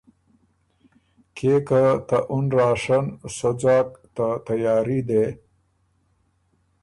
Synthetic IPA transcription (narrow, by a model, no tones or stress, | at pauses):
kʰekat̪aʔunɾaːʂansod͡zaːk̚t̪at̪ajaːɾid̪e